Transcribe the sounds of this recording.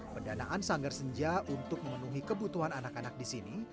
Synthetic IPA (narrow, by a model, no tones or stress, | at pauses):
pəndanaʔansaŋɡərsəɲd͡ʒaʔunt̪ʊk̚məmənuɦikəbut̪uɦananakanak̚disini